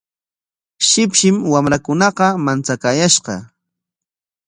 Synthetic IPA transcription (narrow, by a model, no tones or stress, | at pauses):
ʃɪpʃɪmwamɾakʊnɑqɑmant͡sakaːjaʃɢɑ̰